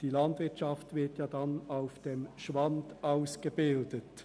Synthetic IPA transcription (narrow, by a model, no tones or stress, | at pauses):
d̥ilɑndvɪɐtt͡ʃɑftvɪɐtjɑːdɑnaʊfd̥emʃʋɑndaʊsɡ̥əbɪldət